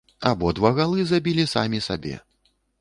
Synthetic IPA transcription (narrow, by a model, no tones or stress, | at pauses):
abɔd̪vaɣalˠɨzabʲilʲisamʲisa̰bʲɛ̰